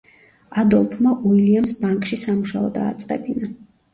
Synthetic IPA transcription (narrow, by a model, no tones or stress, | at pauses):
ad̪ɔlˠpʰmaʔuiliamsbaŋkʼʃisamuʃaɔd̪a̰ːt̪sʼqʼɛ̰bina